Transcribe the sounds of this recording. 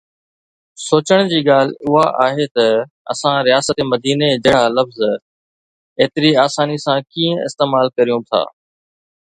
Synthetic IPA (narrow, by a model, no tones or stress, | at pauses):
soːt͡ɕəɽ̃d͡ʑiːɠaːl̤ʊɦaʔaːɦeːt̪ɐ | ɐ̰sãɾɪjaːsət̪emɐd̪iːned͡ʑɐɽ̤alɐfz | eːt̪ɪɾiaːsaːnisãkĩːə̃ɪ̰st̪eːmaːlkɐɾijũt̪ʰa̰ː